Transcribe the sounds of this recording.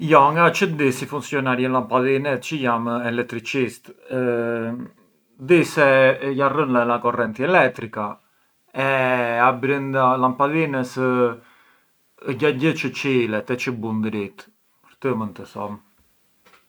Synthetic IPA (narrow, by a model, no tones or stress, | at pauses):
jɔŋɡat͡ʃəd̪isifunsjɔnaɾjənlampaðinɛt͡ʃəjamɛlɛk̚t̪ɾit͡ʃist̪ | d̪isɛjarənlalakɔrɛnt̪iɛlɛt̪ːɾika | ɛabɾind̪alampaðinəs | əɟaɟət͡ʃət͡ʃilɛt̪ɛt͡ʃəbund̪ɾit̪ | pəɾt̪əmənt̪əsɔ̰m